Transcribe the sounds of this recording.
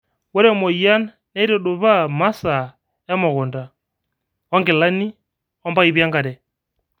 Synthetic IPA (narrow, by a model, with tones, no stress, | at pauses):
wɛ˦ɾɛ˦˨mɔ˨ia˦n | nɛ˦ɾɛ˦du˨βa˦ma˦sa | ja˦mɔ˨ɣu˨nda˨ | ɔ˦ŋɡɪ˨la˦ni˦ | ɔ˦mba˦i˦βja˦ŋɡa˨ɾɛ˨